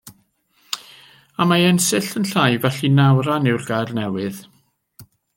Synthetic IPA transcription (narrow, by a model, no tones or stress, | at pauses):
amaɛnsɪɬənɬajvɛɬinawɾanɪwrɡajrnɛwɨð